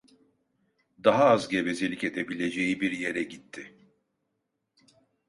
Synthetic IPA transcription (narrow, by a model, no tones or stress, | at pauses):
d̪aɦaazɟe̞vezelʲice̞d̪ebilʲe̞d͡ʒejibiɾje̞ɾɛɟit̪ʰːɪ